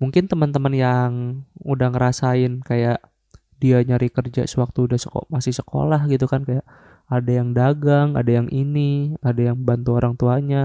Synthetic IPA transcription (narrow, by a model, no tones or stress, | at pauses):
muŋkɪnt̪əmənt̪əmənjaŋudahŋəɾasaɪnkajaʔ | diaɲaɾikərd͡ʒa̰səwak̚t̪uːdahsəko̰masɪhsə̥ko̰lahɡit̪ukankajaʔ | adajaŋdaɡaŋa̰dajaŋʔiniadajaŋbant̪uoɾaŋt̪uaɲa